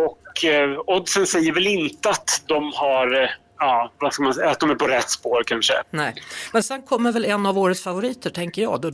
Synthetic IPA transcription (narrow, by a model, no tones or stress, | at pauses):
ɔk | ɔd̪sənsɛjːəɾvɛlɪnt̪əat̪d̪ɔmhaɾ | ɑːvaskalmansɛjat̪̚d̪ɔmæɾpʰɔɾɛt̪ːspoːɾkʰanʂə̰nɛːmɛnsɛnkʰɔmːəɾvɛlɛnːavoːɾət̪sfavʊɾiːt̪əʈʰɛŋkəɾjɑ̰ːɡd̪ɔ